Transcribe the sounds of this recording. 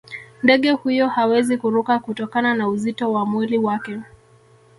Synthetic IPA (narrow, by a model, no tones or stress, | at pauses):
ndɛɠɛhujɔhawɛzikuɾukakutɔkananauzitɔwamwiliwakɛ